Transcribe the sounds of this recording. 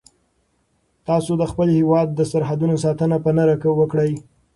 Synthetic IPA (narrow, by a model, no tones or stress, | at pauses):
t̪ɑsod̪əxpəlhewɑd̪ːəsaɾɦad̪unosɑt̪ənapənaɾakəwəkɽəj